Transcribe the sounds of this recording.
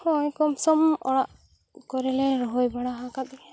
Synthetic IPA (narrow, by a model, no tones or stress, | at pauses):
hɔjkɔmsɔmɔ̰ɽaʔ | kɔɾɛlɛɾɔɦojbaɽ̃aɦakat̪ɛ